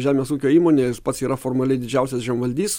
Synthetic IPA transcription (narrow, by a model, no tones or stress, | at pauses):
ʒʲæːmʲeːsuːkʲoːiːmoːnʲeːspɐt̪siːɾɐfoːɾmɐlʲɛɪd̪ʲɪd͡ʒʲɛʊsʲɛsʒʲɛmʋɐlʲd̪ʲiːs